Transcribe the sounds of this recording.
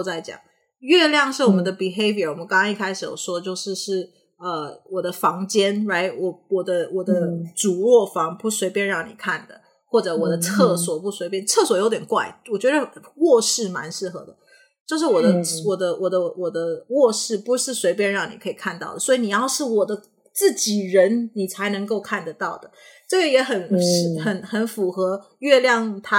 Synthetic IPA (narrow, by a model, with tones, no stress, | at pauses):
t͡sa˥˩ɪt͡ɕjɑ̰˨˩˦ŋ | ɥɛ˥˧ljɑ˥˧ŋʂɻ̩˥˩wɔ˨˩mə˧˦nd̪ə˧pi˨˩xe˥ɪvə˨˩wɔ˨˩mə˦nkɑ˥ŋkɑ˥ŋi˥˩kʰa˥ɪʂ̩˨˩jo̰˨˩ʊʂwɔ˥də˨t͡ɕjo˥˧ʊʂɻ̩˥˧ʂɻ̩˥˩ | ə˧wɔ˨˩d̪ə˦fɑ˧˥ŋt͡ɕjɛ˥nɹa˧˥˩ɪwɔ˨˩wɔ˨˩d̪ə˦wɔ˨˩d̪ə˦ʈ͡ʂu˨˩ɻwɔ˥˩fɑ˧˥ŋpu˧˥swe˧˥ɪpjɛ˥˧nɻɑ˥˩ŋnḭ˨˩kʰa˥˩nd̪ə̰˩ | xwɔ˥˩ʈ͡ʂɤ˧˩wɔ˨˩d̪ə˦t͡sʰɤ˥˩swɔ˨˩pu˥˩swe˧˥ɪpjɛ˥˧nt͡sʰɤ˥˩swɔ˨˩jo˧˥ʊt̪jɛ˨˩nkwa̰˥˩ɪwɔ˨˩t͡ɕɥɛ˧˥d̪ə˧wɔ˥˧ʂɻ̩˥˩ma˧˥nʂɻ̩˥˩xɤ̰˧˥d̪ə˨˦ | t͡ɕjo˥˧ʊʂɻ̩˥˩wɔ˨˩d̪ə˦wɔ˨˩d̪ə˦wɔ˨˩d̪ə˦wɔ˨˩d̪ə˦wɔ˥˧ʂɻ̩˥˩pu˧˥ʂɻ̩˥˩swe˧˥ɪp̬jɛ˥˧nɻɑ˥˩ŋni˨˩kʰɤ˧˥i˨˩kʰa˥˧nt̪ɑ˥˩ʊd̪ə˩swɔ˧˥i˨˧ni˨˩jɑ˥˧ʊʂɻ̩˥˩wɔ˨˩d̪ə˦ | t͡sɹ̩˥˩t͡ɕi˨˩ɻə˧˥nni˨˩t͡sʰa˧˥ɪnɤ˧˥ŋko˥˧ʊkʰa˥˩nd̪ə˩t̪ɑ˥˩ʊd̪ə˩ʈ͡ʂɤ˥˩ə˧˩jɛ˧˥xə˨˩nʂ̩˥˩xə˨˩nxə˧˥nfu˨˩xɤ˧˥ | ɥɛ˥˧ljɑ˥˩ŋt̪ʰa˦˥